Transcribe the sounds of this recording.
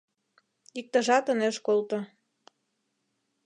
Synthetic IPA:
ik̚t̪ə̆ʒɑt̪əneʃkolt̪o

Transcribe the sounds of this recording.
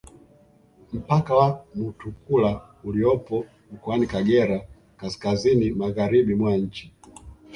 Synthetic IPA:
m̩pakawamutukula | uliɔpɔ | m̩kɔanikaɡɛɾa | kaskazinimaɣaɾiɓimwaɲ̩t͡ʃi

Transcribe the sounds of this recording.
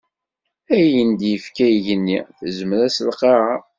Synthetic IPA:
æjənd̪jəfkæjʝənːḭθzəmɾæsəlqeɾa

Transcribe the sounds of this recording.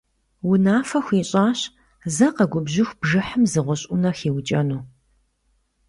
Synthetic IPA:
wʊnaːfɐxʷiːɕʼaːɕ | zɐqɐɡʷʊbʑɪxʷb̥ʒɨħəmzɨʁʷɔɕʼʊnɐxiːwt͡ʃʼɐnuː

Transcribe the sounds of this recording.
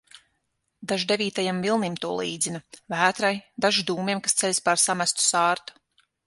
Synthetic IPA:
d̪aʒd̪e̞vʲiːt̪ajamvilˠnimt̪uɔlˠiːd̪zinɐvæːt̪ɾajd̪aʒid̪uːmiɛmkast̪sɛlʲspaɾsamæst̪u̥saːɾt̪u̥

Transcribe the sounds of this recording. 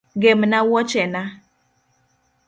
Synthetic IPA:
ɡemnawɔt͡ʃɛna

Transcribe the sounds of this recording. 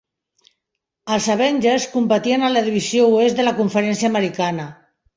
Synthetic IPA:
əlˠsaβɛnʲd͡ʒəskumpət̪iənaləðiβizjouezðəlakuɱfəɾɛnsjaːməɾikanə

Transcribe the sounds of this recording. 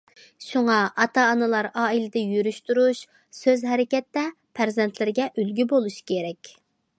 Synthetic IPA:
ʃuŋɑʔɑt̪ɑːnɨlˠɑɾɑːilɪd̪ɛjyɾyʃt̪uɾuʃ | søzɦɛɾɪkʲɛt̪ːɛ | pʰæɾzɛnt̪ʰlɪɾɪɡʲɛʔylɡʲybolˠuʃkʲʰeɾɛkʲ

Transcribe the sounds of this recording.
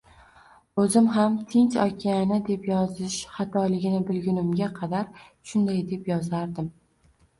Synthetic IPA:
ɵzɪmɦamt̪ʰɪnt͡ʃɒkʲʰianɪd̪e̞pjɒzɪʃχɑt̪ʰɒlɪɡʲɪnɪbɪlɡʲʊnɪmɡʲaqʰɑd̪aɾʃʊnd̪ajd̪e̞pjɒzaɾd̪ɪm

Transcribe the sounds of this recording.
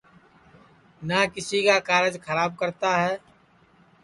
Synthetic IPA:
nakɪsikakaːɾəd͡ʒxʰəɾaːb̚kəɾt̪aɦɛː

